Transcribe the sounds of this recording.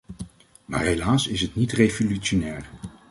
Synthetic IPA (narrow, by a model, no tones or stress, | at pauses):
ma̰ːɹɦejlaːsɪsɦətnitrevolyʃonɛːr